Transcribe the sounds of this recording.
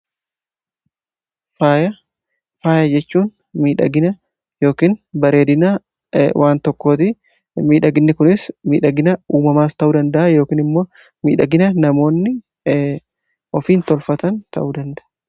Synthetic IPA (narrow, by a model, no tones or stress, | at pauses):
faːjɐ | faːjɐd͡ʒɛt͡ʃːuːn | miːᶑɐ̰ɡɪnɐ | jo̞ːkiːnbɐɾe̞ːd̪ɪna | wʔaːnt̪ɔkːo̞ːt̪ɪ | miːᶑɐɡɪnːɪkʊnɪsmḭːᶑɐɡɪnɐuːmɐmaːst̪ɐʔuːd̪ɐnd̪ɐʔajo̞ːkiːnɪmːo̞ː | mḭːᶑɐɡɪnɐnɐmo̞ːnːɪ | ɔfiːnt̪ɔlfɐt̪ɐnt̪ɐ̰ʔuːd̪ɐnd̪ɐʔ